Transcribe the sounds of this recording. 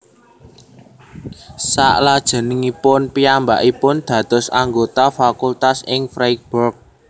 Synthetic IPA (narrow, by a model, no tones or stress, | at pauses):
sa̰ʔlad̥ʒ̥ə̤nɪŋipʊnpiambaʔipʊnd̪̥ä̤d̪̥ɔ̤saŋɡot̪afakult̪asɪŋfɾajk̚bɔrk̚